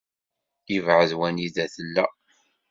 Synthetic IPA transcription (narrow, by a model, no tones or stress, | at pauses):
jivʕəðwæniðæθəlːæ